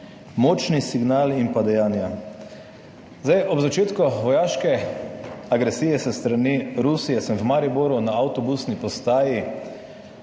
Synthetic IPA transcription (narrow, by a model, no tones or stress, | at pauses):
mɔːt͡ʃnisiɡnaːlinpad̪ɛjaːnja | zajʔɔbzat͡ʃeːt̪kɔʋɔjaːʃkɛ | aɡɾɛsiːjɛsəst̪ɾaniɾusijɛsɛmwmaɾiboːɾunaawt̪ɔbusnipɔst̪aːji